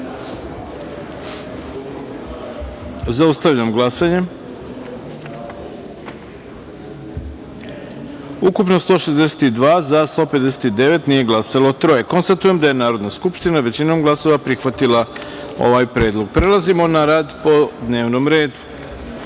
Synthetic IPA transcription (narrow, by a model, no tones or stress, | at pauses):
zaust̪aʋʎamɡlˠasaɲe̞ | ukupnost̪o̞ːʃezd̪ese̥t̪id̪ʋaːzast̪o̞ːped̪ese̥t̪id̪e̞ʋe̞t̪nije̞ɡlˠasalot̪ɾo̞jeko̞nst̪at̪uje̞md̪aje̞naːɾo̞d̪naskupʃt̪inaʋe̞t͡ɕinoːmɡlˠaso̞ʋapɾixʋat̪ilˠa | o̞̰ʋaːjpɾe̞ːd̪lˠoɡ̚pɾe̞lˠazimo̞naɾaːd̪po̞d̪ne̞ːʋnomɾe̞ːd̪u̥